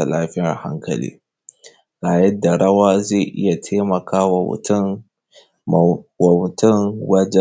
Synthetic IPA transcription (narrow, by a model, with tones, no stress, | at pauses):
ɐ˨laː˦ɸɪ˦a̰˨ha̰˦ŋkʰɐ̰˨lḭː˦ | ɾaː˨jɐ˦dːa˨ɽɐ˦waː˦ze˦˨ʔɪ̰˦ja˨tʰeː˦mɐ˨kʰaː˦wa̰˨˦ | wtɪ˦ŋwɐ˦d͡ʒɛ˦